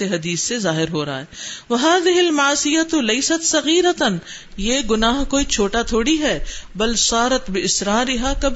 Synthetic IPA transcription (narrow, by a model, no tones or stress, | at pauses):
eɦɐd̪iːsːezaːɦɪɾɦoːɾɐa̰ɦɛːwɐɦaːðɪɦɪlmɐʕsɪjɐt̪lɐjsɐt̪sɐɣiːɾɐt̪n | jeːɡʊnaːɦkoːit͡ʃʰoːʈat̪ʰoːɽiɦɛːbɐlsˤɑːɾɐt̪bɪʔɪsɾaːɾɪɦaːkɐb